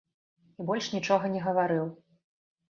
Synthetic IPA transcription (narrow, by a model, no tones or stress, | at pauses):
ibɔlʲʂnʲit͡ʂɔɣɐnʲɛɣɐvaɾɨw